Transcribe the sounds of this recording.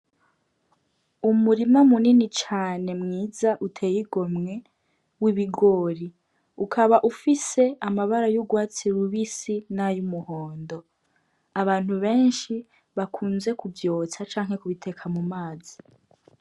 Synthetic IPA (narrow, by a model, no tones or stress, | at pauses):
umuɾimamuninit͡ʃaːne̞mŋiːzaʔutʰeːjiɡo̞mŋe̞ | wiβiɡo̞ːɾi | ukʰaβaʔufise̞ʔamaβaɾajuɡwaːt͡siɾuβisinajumuhoːndo̞ | aβaːn̥huβe̞ːnʃi | βakʰuːnze̞kuvjo̞ːt͡sat͡ʃaːŋhe̞kuβitʰe̞kʰamumaːzi